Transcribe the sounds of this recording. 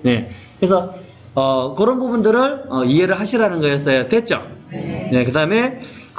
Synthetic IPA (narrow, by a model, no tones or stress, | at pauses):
je̞kɯɾes̬ʰʌ | ʌkɯɾʌnbubundɯɾɯɭʌie̞ɾɯɭɦaɕʰiɾanɯnɡʌjʌs͈ʌjotwet͡ɕ͈o̰je̞kɯdaɯme̞ | k